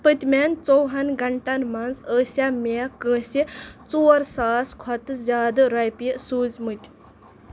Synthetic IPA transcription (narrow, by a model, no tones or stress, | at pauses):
pət̪ʲmʲant͡sowɦɐnɡʱɐɳʈanmɐnzəːsamekəsit͡soːɾsaːskʰɐt̪ɨzʲaːd̪ɾajpisuːzmɨt̪ʲ